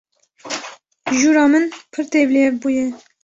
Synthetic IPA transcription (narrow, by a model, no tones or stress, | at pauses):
ʒuːɾɑːmɨnpʰɨɾt̪eːbleːɾbuːjɛ